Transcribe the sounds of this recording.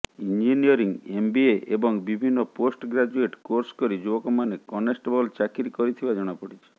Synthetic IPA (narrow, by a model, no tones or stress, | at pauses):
ind͡ʒiniɔɾiŋembieʔebɔŋbibʱinːɔposʈɡɾad͡ʒueʈkoɾskɔɾid͡ʒubɔkɔmanekɔnesʈebɔlt͡ʃakiɾikɔɾit̪ʰibad͡ʒɔɽ̃apɔɽit͡ʃʰi̥